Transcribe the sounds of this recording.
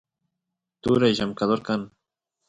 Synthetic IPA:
t̪uɾajʒamkaðoɾkan

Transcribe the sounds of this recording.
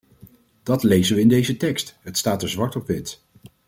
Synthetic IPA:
d̥ɑtlejzənʋəɪndejzətɛkstɦətstaːtəɹzʋɑɹtɔpʋɪt

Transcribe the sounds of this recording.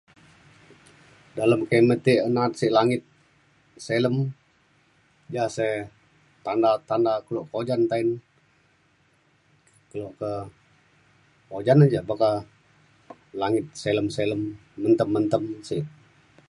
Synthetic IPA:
daləmkemət̪iʔənat̪̚sɪʔlaŋɪt̪̚ | seləm | d͡ʒasa | t̪andat̪andakəloʔkəod͡ʒant̪ain | kəloʔkə | od͡ʒanand͡ʒabaka | laŋɪt̪̚seləmseləmːənt̪əmːənt̪əmsɪʔ

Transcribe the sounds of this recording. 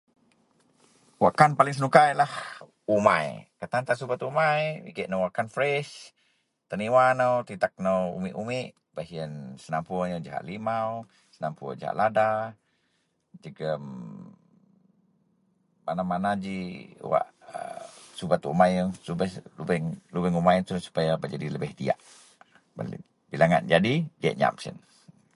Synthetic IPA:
waʔkanpaliŋs̬ənukajlah | uma̰jkət̪ant̪asubat̪umajḭɡəʔnowaʔkanfɾɛʃ | t̪əniwanəwt̪it̪ak̚nəwṵmiʔumɪʔ | b̥aɦiənsənampuaɲəd͡ʒaɦa̰ʔlimaw | səna̰mpua̰d͡ʒaɦa̰ʔlada | d͡ʒəɡəm | manamanad͡ʒiṵwa̰ʔə̰subat̪uumajsubalubɛŋlubɛŋumajnt̪ulsu̥pajabaʔd͡ʒadiləbɛht̪ia̰ʔ | ba̰lḭ | bilaŋa̰nd͡ʒadidia̰ʔɲa̰msḭn

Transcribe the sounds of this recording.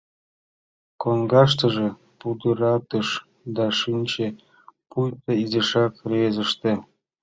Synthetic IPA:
konɡɑʃt̪ɤ̆ʒĕ | pud̪ɯɾɑt̪ɤʃ | d̪ɑʃinʲt͡ɕe | pujp̪eizeʃɑkrezə̆ʃt̪ĕ

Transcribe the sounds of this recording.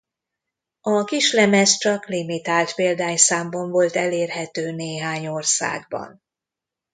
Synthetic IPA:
ɒkiʃlɛmɛst͡ʃɒklimit̪aːlt̪peːld̪aːɲsaːmbɒɱvo̞lt̪ɛleːrhɛt̪øːneːɦaːɲorsa̰ːɡ̚bɒ̰n

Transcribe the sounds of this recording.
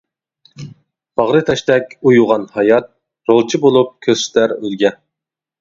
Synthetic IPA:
b̥ɑʁɾɨt̪ʰɑʃt̪ɛkʲujuʁɑnhɑjɑt̪̚ | ɾolˠt͡ʃʰibolˠup̚kʲʰøz̥ʃt̪æɾølɡʲɛ

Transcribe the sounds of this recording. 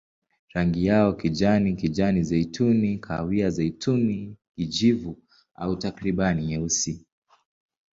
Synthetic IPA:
ɾaŋɡijaɔkid͡ʒanikid͡ʒanizɛitʰunikʰa̰wiazɛitʰunikid͡ʒivu | a̰utakɾiɓaniɲɛusi

